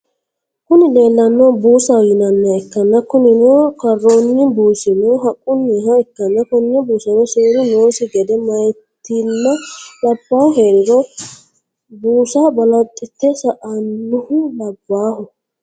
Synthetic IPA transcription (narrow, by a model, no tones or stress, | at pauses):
kʊnɪd̪e̞ːlːɐnːobuːsɐwjɪnɐnːɐɛkːɐnːɐkʊnɪnoːkɐrːoːnːɪbuːsɪnoːɦɐkʼːʊnːiɦɐɛkːɐnːɐkʊnnɛbuːsɐnɔseːɾʊno̞ːsɪɡɛd̪ɛmɐjt̪ːinːɐlɐbːaːhɦeːɾɪɾɔ | buːsabɐlɐt̪ʼːɪt̪ːɛsɐʔɐnːʊhʊlɐbːaːhʊ